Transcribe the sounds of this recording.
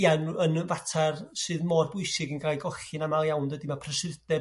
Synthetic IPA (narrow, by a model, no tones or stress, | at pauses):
anənənvatʰarsɨːðmɔːrbʊjsɪɡənɡaːjɡɔɬɪnamalˠjawndədimapʰrəsɪrdɛ